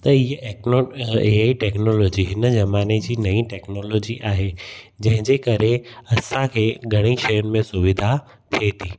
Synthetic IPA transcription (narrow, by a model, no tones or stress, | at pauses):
t̪ɐɪɦ | eaiʈɛːknoːloːd͡ʑiɦɪnəd͡ʑɐmaːned͡ʑiːnɐĩʈɛːknoːloːd͡ʑiʔaːɦe | d͡ʑɐ̃ɦɪ̃d͡ʑekɐɾeɐsãkʰeːɡʱɐɽ̃ĩʃɐjʊnɪ̆mẽsʊʋɪd̪ʱa | t̪ʰiet̪ʰiː